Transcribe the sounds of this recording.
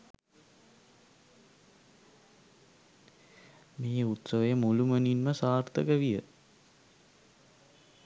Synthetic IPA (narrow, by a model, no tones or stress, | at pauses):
meːut̪səʋəjəmuluməninməsaːrt̪əkəʋijə̰